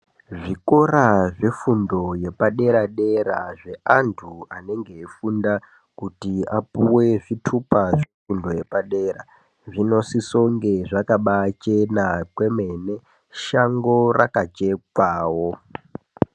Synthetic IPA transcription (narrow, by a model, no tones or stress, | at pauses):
ʐiko̞raʐefundo̞je̞paɗe̞ɾaɗe̞ɾa̰ʐe̞antʰuane̞ŋɡe̞ːfunda | kutiapuweʐitʰupaʐefundo̞je̞paɗe̞ra̰ | ʐino̞siso̞ŋɡe̞ʐakaɓat͡ʃe̞nakwe̞me̞ne̞ | ʃaŋɡo̞rakat͡ʃe̞kwaːwo